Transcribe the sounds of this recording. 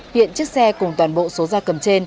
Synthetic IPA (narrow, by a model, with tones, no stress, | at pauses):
hḭ˧˨ənt͡ɕɨ˦˥ək̚sɛ˧kʊ˨˩ŋ͡mt̪waː˨˩nɓo̰˧˨so˨˦zaː˧kə˨˩mt͡ɕe˧n